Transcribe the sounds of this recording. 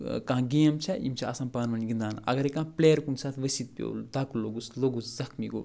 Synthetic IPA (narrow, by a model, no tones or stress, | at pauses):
kãɡijɐmt͡ʃʰɐḭmt͡ʃʰɐɐsɐ̃mpaːnʋɐnɡind̪aːnɐ̰ɡɐɾekãːplejɐɾkunsaːt̪ʰʋɐsit̪̚pʲjo̰ːld̪aːkulːoɡusloɡuszɐkʰmḭɡo̰ː